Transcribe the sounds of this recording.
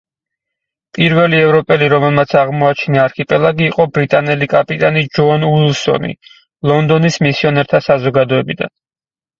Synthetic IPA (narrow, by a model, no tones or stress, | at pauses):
pʼiɾvɛliɛvɾɔpʼɛliɾɔmɛlˠmat̪sʰaʁmɔat͡ʃʰinaːɾkʰipʼɛlˠaɡiːqʼɔbɾit̪ʼanɛlikʼapʼit̪ʼanid͡ʒɔnulˠsɔ̰nḭ | lˠɔnd̪ɔnismisiɔnɛɾt̪ʰasazɔɡad̪ɔɛbid̪a̰n